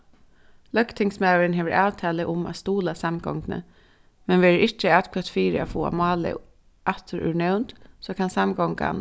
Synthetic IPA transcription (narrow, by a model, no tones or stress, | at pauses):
lœkt̪ʰɪŋsmaːwəɾɪnɦeːʋəɹʔaːwt̪ʰɛːlɪʔʊma̰st̪uːlasamɡɔ̰ŋknə̰ | mɛnʋeːɹəɾʔɪt͡ʃəaːt̪kʰvœt̪fiːɾɪa̰fuːa̰mɑːlɪ̰ | ʔat̪əɾʏ̰ɹɳɛwnt̪soːkʰansamɡɔŋka̰n